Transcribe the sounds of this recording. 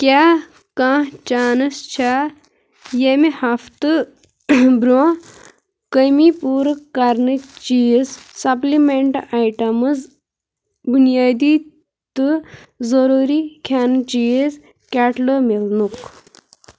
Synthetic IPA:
kʲa | kãːɦt͡ʃaːnɨst͡ʃʰa | jemihaft̪ɨ | bɾo | kəmipuːɾəkːaɾnɨt͡ʃijezsɐplimeɳʈajʈɐmɨz | bunijaːd̪iː | t̪ɨzəɾuːɾikʰaːnɨt͡ʃijez | kʲaʈləmelnuk

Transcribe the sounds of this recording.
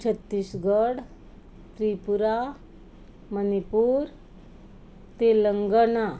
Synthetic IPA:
t͡ɕʰət̪ːiːsɡəɽ | t̪ɾipuɾa | mənipuːɾ | t̪eləŋɡəɳa

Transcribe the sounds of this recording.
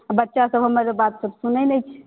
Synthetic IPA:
bətːʃasəbʱɦəmːəɾbat̪səbsunəjnɛjt͡ʃʰ

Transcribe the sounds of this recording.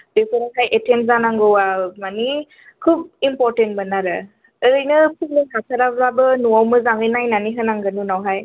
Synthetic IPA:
depʰeɾenhʰajʔetʰenzanaŋɡɯwamani | kʰub̚impɔɾtentbənaɾɯ | əɾɯjnɯkʰubleɦatʰaɾabɾabɯnuawmɯzaŋɯjnajnaniɦɯnaŋɡɯnunawɦaj

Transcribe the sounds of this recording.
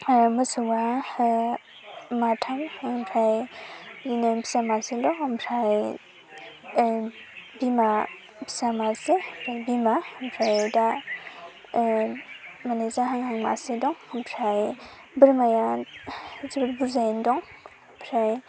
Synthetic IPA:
mɯsuwa | matʰamhŋmpʰɾajjinabʰi̥samaselɔŋmpʰɾaj | bima | bʰi̥samasemʰɾajbimampʰɾajda | malazaɦaŋhaŋma̰sedɔŋhmpʰɾaj | bəɾmaja | zubɾbuzajndɔŋ | mpʰɾaj

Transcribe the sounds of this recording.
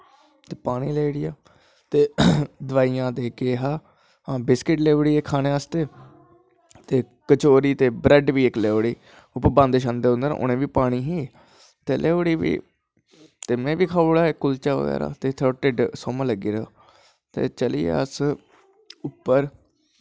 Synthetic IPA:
t̪eːpaːɽ̃iːleːɽijaː | t̪eːd̪ʋaːiːjãːd̪eːkeːɦaː | ɦãːbɪskɪʈleːʋɽiːeːkʰaːnẽːast̪eː | t̪eː | kət͡ʃoːɾiːt̪eːbɾɛɖʋiːɪkleːʋɽiː | ʊpːəɾbãːnd̪eʃãnd̪eːʊ̃nd̪ən̰ʔʊ̰nẽːʋiːpaːɽ̃iːɦiː | t̪eːlʔeːʋɽiːʋḭː | t̪eːmɛ̃ːʋiːkʰaːʊɽaːekːʊlt͡ʃaːʋə̰ɡɛ̰ːɾa̰ːt̪eːt̪ʰəʈɪɖsoːmãːləɡiːɾeo̰ː | t̪ḛːt͡ʃəliːḛːəs | ʊpːəɾ

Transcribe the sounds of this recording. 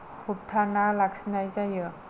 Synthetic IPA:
kʰup̚tʰanalak̚sinajzajɯ

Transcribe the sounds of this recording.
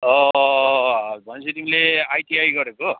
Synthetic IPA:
ʌ | bʱʌnt͡sʰut̪imileajt̪iajɡʌɾeko

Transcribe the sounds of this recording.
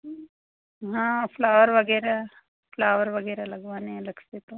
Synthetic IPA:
ɦãːpʰlaːʋəɾʋɐɡɛːɾa | fʰlaːʋəɾʋɐɡɛːɾalɐɡʋaːnẽɾɐkʰt̪et̪o

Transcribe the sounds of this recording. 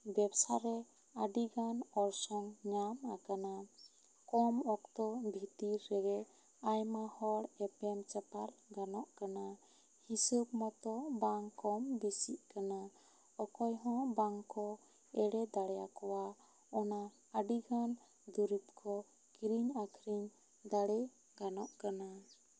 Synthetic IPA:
bɛbsaɾɛ | aɖiɡanɔɾsɔŋɲamakana | kɔmɔkt̪ɔbʱit̪iɾːɛɡɛʔ | ajmahɔɽɛpɛmt͡ʃapaɾɡanɔʔkana | hisəbmɔt̪ɔbaŋkɔmbisiʔkana | ɔkɔjɦɔ̃baŋkɔ | ɛɽɛd̪aɽɛjakɔwa | ɔna | əɖiɡʱan | d̪uɾip̚kʰɔ | kiɾiɲakʰɾiɲ | d̪aɽɛ | ɡanɔʔkana

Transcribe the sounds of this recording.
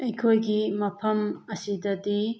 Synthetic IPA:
ɐjkʰojɡimɐpʰɐmɐsidɐdi

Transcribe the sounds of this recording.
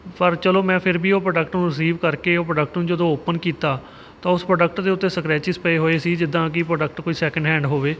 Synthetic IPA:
pəɾt͡ʃəloːmɛ̃ːpʰɪɾbiːoːpɾəɖək̚ʈnũːɾɪs̬iːʋkəɾkeːoːpɾəɖək̚ʈnũːd͡ʒəd̪õːoːpənkiːt̪aː | t̪ãːʊspɾoːɖək̚ʈd̪eːʊt̪ːeːsəkɾɛːt͡ʃɪspəeːɦoːeːsiːd͡ʒɪd̪ːãːkɪpɾoːɖəkʈkoːiːsɛːkə̃ɳɖɦɛ̃ːɳɖɦoːʋeː

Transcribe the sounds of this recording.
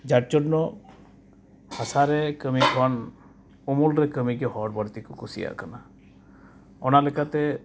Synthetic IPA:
d͡ʒaʈt͡ʃɔɖnɔ | hasaɾekəmikʰɔn | umulɾɛkəmikɛɦɔɾbɔɽt̪ikukusḭja̰kana | ɔnalekat̪e

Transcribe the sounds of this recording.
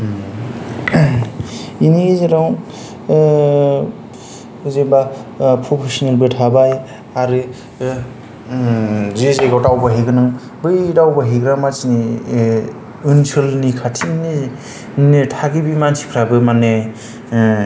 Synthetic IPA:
inizeɾaw | zebapʰɾɔpʰesɔnelbɯtʰabaj | aɾɯ | zezejɡawtawbaɦiɡɯnɯŋ | bɯjdawbaɦiɡɾamat͡ʃini | ɯnsʰɯlnikʰatʰini | nitʰaɡibimansʰi̥pʰɾabɯmane

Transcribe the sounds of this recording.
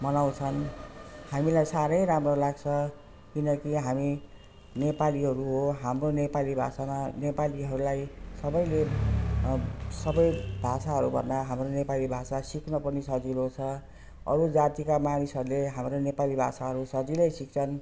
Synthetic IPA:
mʌnaw̃t͡sʰʌnhamilajsaɾʌjɾamrolaɡt͡sʰʌ | kinʌkiɦami | nepaliɦʌɾuɦoɦamronepalibʱa̰sananepaliɦʌɾulajsʌbʌjle | sʌbʌjbʱasaɦʌɾubʱʌ̰nd̪aɦamronepalibʱasasikʰnʌpʌnisʌd͡zilot͡sʰʌ | ʌ̰ɾud͡zat̪ikamanisɦʌɾuleɦamɾonepalibʱa̰saɦʌɾusʌd͡zilʌjsik̚t͡sʰʌn

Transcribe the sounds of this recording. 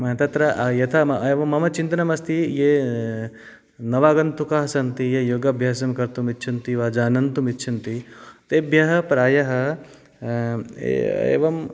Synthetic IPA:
mɐɦɐt̪ɐt̪ɾɐʔjɐt̪ʰɐeːʋɐmːɐmɐt͡ʃint̪ɐnɐmɐst̪ʰijeː | nɐʋaːɡɐnt̪ukɐɦɐsɐnt̪ijejoːɡɐbʱjaːsɐmkɐɾt̪umit̪ːt͡ʃʰɐnt̪iʋaːd͡ʒaːnɐnt̪umit̪ːt͡ʃʰɐnt̪it̪eːbʱjɐɦɐpɾaːjɐɦɐ | ḛḛːʋɐm

